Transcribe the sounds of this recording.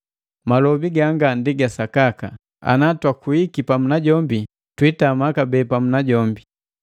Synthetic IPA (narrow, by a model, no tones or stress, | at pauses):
malɔbiɡaŋɡandiɡasakaka̰ | a̰natwakuikipamunaɟɔmbi | twitamakabɛːpamunaɟɔmbi